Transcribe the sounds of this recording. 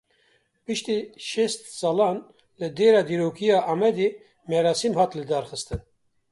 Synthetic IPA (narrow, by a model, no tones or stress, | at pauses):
pɨʃt̪iːʃest̪sɑːlɑːn | lɨd̪eːɾɑːd̪iːɾoːkijɑːʔɑːmɛd̪e | mɛɾɑːsimhɑːt̪lɨd̪ɑːɾxɨst̪ɨn